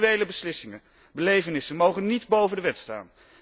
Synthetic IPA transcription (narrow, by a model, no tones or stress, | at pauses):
ejləbəslɪsɪŋə | bəlejvənɪsənmowχənidbowvəndəʋɛtsta̰ːn